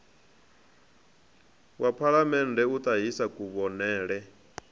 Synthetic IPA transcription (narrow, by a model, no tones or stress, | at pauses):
wʔapʰaɺamɛndʱɛut̪ʼaɦisakʼuβɔnɛːɺɛ